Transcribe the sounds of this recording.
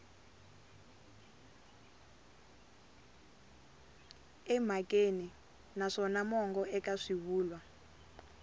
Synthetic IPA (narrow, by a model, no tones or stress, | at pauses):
ɛm̤akʼeni | naʂɔnamɔŋɡɔɛkaʂiβuːlwa